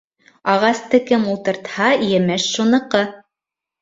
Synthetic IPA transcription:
ɑʁɑst̪ɤkɘmulˠt̪ɤ̆ɾt̪hɑjɘ̆mɘʃːunɤ̆qɤ

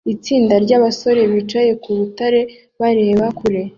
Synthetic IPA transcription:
it͡siːndaɾɟaβaso̞ɾe̞βit͡ʃaje̞kuβutaɾe̞ | βaɾe̞ːβakuɾe̞

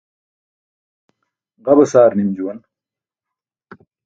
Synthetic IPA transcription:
ʁɐbɐsaːɾnimd͡ʑuwɐn

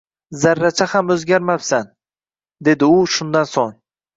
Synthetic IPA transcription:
zaɾːat͡ʃʰahamɵzɡʲaɾmapsan | d̪e̞d̪ɪʊʃʊnd̪ansoŋ

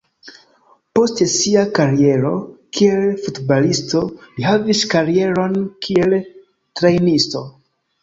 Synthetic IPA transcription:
po̞stesiakaɾie̞ɾo̞kʰie̞lfutbalisto̞lihaviskaɾie̞ɾo̞nkʰie̞l | tɾejnisto̞

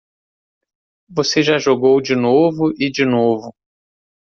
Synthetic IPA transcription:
voseʒaʒoɡowd͡ʒɪnovʊʔɪd͡ʒinovʊ

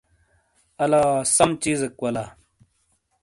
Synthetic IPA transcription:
ɐlaːsɐmt͡ɕiːzekwɐla

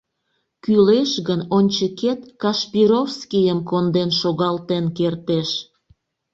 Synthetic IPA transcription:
kyleʃɣənonʲt͡ɕəket̪kɑʃpiɾofskijəmkond̪enʃoɣɑlt̪enkert̪eʃ

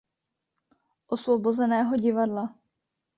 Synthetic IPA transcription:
ʔosvobozɛnɛːɦo̞ɟɪvadla

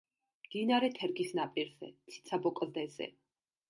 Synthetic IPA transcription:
md̪̥inaɾɛt̪ʰɛɾɡisnapʼiɾz̥ɛ̰t̪sʰi̥t̪sʰabɔkʼlˠd̪ɛzɛ̰

